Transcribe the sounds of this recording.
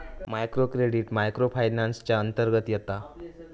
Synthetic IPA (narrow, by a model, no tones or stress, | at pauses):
majkɾokɾeɽiːʈmajkɾofʰajnanst͡ɕjaənt̪əɾɡət̪jɛt̪a